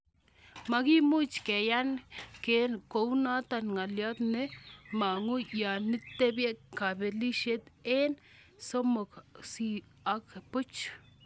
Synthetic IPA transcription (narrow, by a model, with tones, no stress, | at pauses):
ma˧ɡi˦mu˦t͡ʃke˨ja˦nke˨˦nko˧wna˦t̪a˧nŋa˨lja˦d̪ne˦ma˨ŋu˦ja˨ni˦t̪e˦bje˦ka˨be˧li˦ʃe˦t̪e˦n | so˦mo˨ksi˧ | a˧kpu˦t͡ʃ